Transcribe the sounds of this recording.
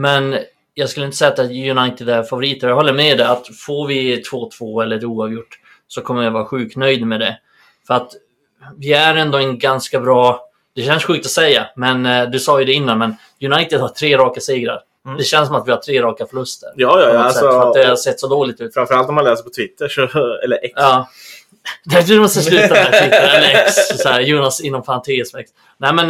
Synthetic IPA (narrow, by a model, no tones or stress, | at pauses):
mɛn | jɑːɡskɵləɪnsɛjat̪ɛjɵnajt̪ɪd̪æɾfavʊɾiːt̪əɾjɑhɔlːəɾmɛd̪ɛat̪foɾvɪt̪ʰv̥oːt̪ʰv̥oːɛlːəɾuːɑvjʊʈː | sɔkʰɔmːəɾjavɑːɾaɧʉ̟ːkt̪nœjd̪mɛd̪ɛ | fœɾat̪ | vɪæɾɛnd̪ɔɛnɡanskabɾɑː | d̪̥ɛɕɛnsɧʉkt̪ɔsɛjːamɛnd̪ɵsɑːjɵd̪ɛɪnːanmɛn | jɵnajt̪ɪd̪haʈʰɾeːɾɑːkasiːɡɾa̰ɾ | d̪ɛɕɛnsɔmat̪vɪhaʈʰɾeːɾɑːkafœɭɵst̪ə̰ɾpjɑːjɑɔasɛfɔɾad̪ɛhasɛt̪ːsɔd̪oːlɪt̪ʉ̟ːt̪fɾamfœɾalt̪ɔmːanlɛːsəɾpʰɔt̪ʰɪt̪ːəʂɔɛ̰lːəʔɛkɑː | d̪æd̪ɵd̪mɔst̪əslʉ̟ːamɛtʰɪəɛlɛkssɔhæɾjuːnasɪnːɔmfant̪ʰesmɛks | nɛɪmɛn